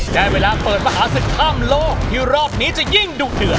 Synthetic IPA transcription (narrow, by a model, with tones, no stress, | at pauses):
t͡ɕɛː˧˩weː˧laː˧pɤː˨˩t̪̚maː˧˩ɦaː˨˦sɯ˨˩k̚k̪ʰːaː˥˩mloː˥˩k̚jiː˧˩ɾɔː˥˩p̚niː˦˥t͡ɕa˨˩ji˥˩ŋduː˨˩dɯ˨˩ə